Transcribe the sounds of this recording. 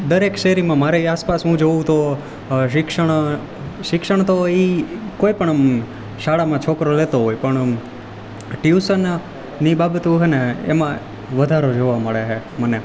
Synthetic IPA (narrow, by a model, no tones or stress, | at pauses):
d̪əɾekʃeɦɾimãmaɾeiaspasɦũd͡ʒoũt̪o | ʃɪkʂəɳ̃ | ʃɪkʂəɳ̃t̪oikoːipəɳ̃m | ʃaɽamãt͡ʃʰokɾolet̪oɦojpəɳ | ʈiusən | nibabət̪uɦeneḛmã | ʋəd̪ʱaɾod͡ʒoʋaməɭeɦe | məne